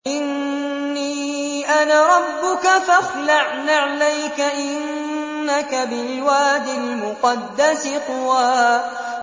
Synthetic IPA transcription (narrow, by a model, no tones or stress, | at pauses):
ʔɪnː | iː | ʔanaːɾˤɑbːʊkafaxlaʕnaʕalajkaʔɪnː | akabɪlɪwaːd̪ɪlmʊqɑd̪ːasɪq̪ʊwaː